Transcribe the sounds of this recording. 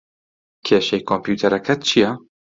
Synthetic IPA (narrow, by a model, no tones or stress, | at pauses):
kʰeːʃɛjkʰompjuːt̪ʰɛɾɛkʰɛt͡ʃʰijɛ